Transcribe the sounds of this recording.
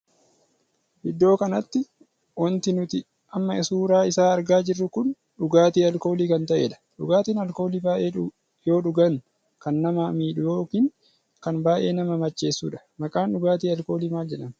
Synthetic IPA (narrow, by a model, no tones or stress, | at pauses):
ʔɪd̪ːo̞ːkɐnɐt̪ːɪ | wɐnt̪ɪnʊt̪ɪ | ʔɐmːɐɪsuːɾaːɪsaːɐɾɡaːd͡ʒɪrːʊkʊn | ɗʊɡaːt̪iːɐlko̞ːliːkɐnt̪ɐʔeːᶑɐ̥ᶑʊɡaːt̪iːnɐlko̞ːliːbaːʔe̞ː | jo̞ːᶑʊɡɐŋ | kɐnːɐmaːmiːᶑʊjoːkiːŋ | kɐnbaːʔe̞ːnɐmɐmɐt͡ʃːe̞ːsːṵːᶑɐ̥ | mɐkʼaːnɗʊɡaːt̪iːɐlko̞ːliːmaːld͡ʒɛᶑɐm